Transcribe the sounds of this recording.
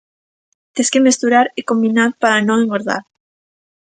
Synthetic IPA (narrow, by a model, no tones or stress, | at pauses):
t̪eskemest̪uɾaɾekombinaɾpaɾanõŋeŋɡoɾða̰ɾ